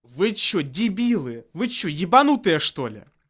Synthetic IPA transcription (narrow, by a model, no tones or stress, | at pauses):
vɨt͡ɕːɔdʲibʲilˠɨvɨt͡ɕːɔjibanut̪ɨjɐʂt̪ɔlʲɪ̰